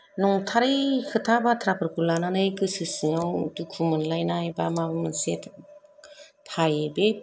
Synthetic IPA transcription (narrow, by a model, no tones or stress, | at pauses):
nɔŋtʰaɾɯjkʰɯtʰabatʰɾapʰɯɾkulananɯjkɯsɯsɯŋawdukʰumɯnlajnajbamabɯmɯnsetʰ | tʰajebe